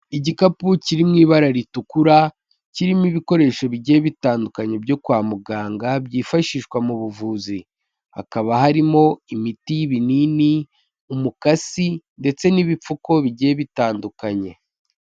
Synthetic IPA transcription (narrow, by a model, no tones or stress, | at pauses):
iɟikapuciɾimŋiːβaɾaɾitukuɾa | ciɾimiβiko̞ɾe̞ːʃo̞βiɟeβitaːndukaɲe̞bɟo̞kwaːmuɡaːŋɡabɟiːfaʃiʃkwamuβuvuːzi | ha̰kaβaɦaɾimo̞imitiβinini | umukasinde̞t͡se̞niβipp͡fuko̞βiɟeeβitaːndukaɲe̞